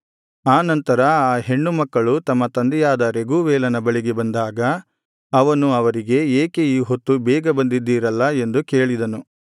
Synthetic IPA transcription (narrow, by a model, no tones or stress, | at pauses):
aːnɐnt̪ɐɾɐaːɦe̞ɳːumɐkːɐɭut̪ɐmːɐt̪ɐnd̪ɛjaːd̪ɐɾe̞ɡuːʋɛːlɐnɐbɐɭiɡebɐnd̪aːɡɐ | ɐʋɐnuɐʋɐɾiɡe̞eːkeiɦot̪ːubɛːɡɐbɐnd̪id̪ːiːɾɐlːɐe̞nd̪uke̞ːɭid̪ɐnu